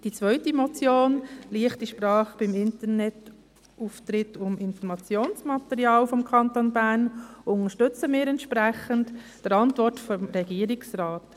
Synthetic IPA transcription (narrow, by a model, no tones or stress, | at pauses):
d̥it͡sʋœʏtimɔt͡sjoːnliəχtdiʃpɾɑːχb̥ɪmɪntəɾnɛt | uːft̪ɾɪtʊmɪnfɔɾmɑt͡sjoːnsmɑt̪ɛɾjɑːlfɔmkʰɑntonbæɾnʊŋəʃtʏt͡səmɪːɾɛntʃpɾæχəntd̥əɾɑntvɔɾtfɔmɾɛɡiəɾɪksɾɑːt